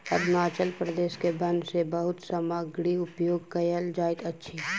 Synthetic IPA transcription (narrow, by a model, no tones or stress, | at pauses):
ɐd̪ʱnaːt͡ʃəlpɾəd̪eːskebɐ̃nd̪sebəɦʊt̪səməɡɽiʊpjoːɡ̚kɐjəld͡ʒaːɪt̪ɐtːʃʰi